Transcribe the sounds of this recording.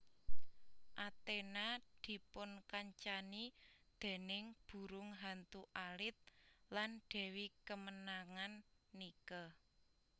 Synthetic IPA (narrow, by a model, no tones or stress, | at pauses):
ʔat̪enad̪̥i̤pʊnkaɲt͡ʃanid̪̥e̤nɪŋb̥ṳɾʊŋɦant̪uʔalɪt̪̚lanɖ̪̥ɛ̤wikəmənaŋanːikə